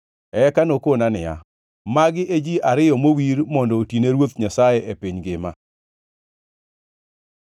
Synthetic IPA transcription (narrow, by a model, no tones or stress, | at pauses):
ɛkanokonanɪja̰ | maɡɪʔed͡ʒiʔaɾɪjɔmowiɾmɔndɔːtineɾwot̪ɲasajeʔepiɲɡɪma̰